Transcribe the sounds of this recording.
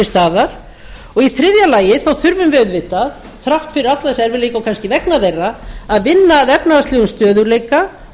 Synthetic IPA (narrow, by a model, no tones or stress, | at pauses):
ɪst̪aːðaɾ̥ | ɔɣiθɾɪðjalaːjɪθawθʏɾvʏmvɛðvɪht̪a | θɾawht̪fɪɾɪɾat̪laðɛsɛɾvɪlejkawkʰanscɪvɛknaðejrːaːðvɪnːaːðɛpnaðaslɛːɣʏmst̪œːðʏɾleːjka